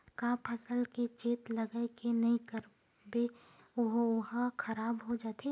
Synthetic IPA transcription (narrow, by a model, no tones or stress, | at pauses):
kaːpʰɐsəlket͡ʃeːt̪lɐɡaekenɐɦĩkɐɾ | be | ʊɦɦkɐɾaːbɦod͡ʒaːt̪e